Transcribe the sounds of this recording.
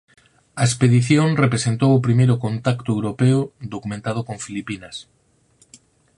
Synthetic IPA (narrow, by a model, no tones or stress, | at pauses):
ɐespeðiθjoŋrepɾesent̪owʊpɾimejɾʊkont̪akt̪oewɾopeʊd̪okumẽnt̪að̞okoŋfilipinas